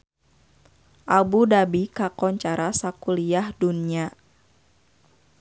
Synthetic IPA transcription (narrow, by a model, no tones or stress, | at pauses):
ʔabudabikakɔɲt͡ʃaɾasakuliahdunia